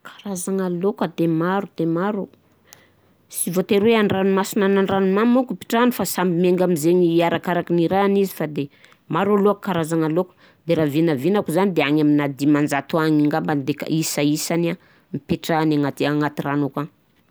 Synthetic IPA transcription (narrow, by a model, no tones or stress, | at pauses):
kʰḁɾazaŋalokəd̪emaɾud̪̥emaɾu | sivot̪eɾweanranumasinanaɳranumamukupi̥ʈ͡ʂanifasambimeŋɡamizeɲiaɾakaɾakiniɾanizifad̪e | maɾualoakkaɾazaŋalokə̥ | d̪eɾavinavinakuzanid̪eaŋaminad̪imand͡zat̪uaŋiŋɡamband̪eka̰ʔisaisana | mipeʈ͡ʂanaŋat̪iaŋat̪iranuka